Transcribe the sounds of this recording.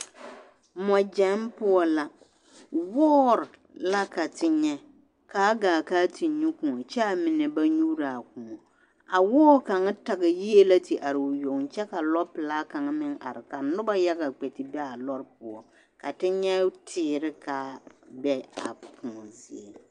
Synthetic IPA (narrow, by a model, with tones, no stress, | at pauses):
mɔ˨d͡ʒɛ˦m˦pʊ˦ɔ˦la˦ | wɔː˦ɾɪ˨ | la˦ka˨tɪ˦ɲɛ˦ | kaː˦ɡaː˨kaː˦tʰi˨ɲu˦kũ˨ŋɔ˨t͡ʃɛ˦a˨mɪ˨nɛ˨ba˦ɲuː˦ɾa˨kʊ̃˨ŋɔ˨ | a˨wɔː˦ka˨ŋ˦ta˨ɡɪ˨ji˦e˦la˦ti˨ʔa˨ɾɪ˨ʊ˨jo˨ŋ˨t͡ʃɛ˦ka˨lɔ˦pɪ˨laː˦ka˨ŋ˦mɪ˦ŋa̰˨ɾɪ˨ka˨nʊ˦ba˦ja˦ɡa˨k͡pɛ˨tɪ˨bɛ˦a˨lɔ˦ɾp̚ʊ˨ɔ˨ | ka˨tɪ˦ɲɛ˦tʰɪː˨˦ɾɪ˦kaː˨˦bɛ˦a˨pʰʊ̃˨ŋɔ˨zi˨e˨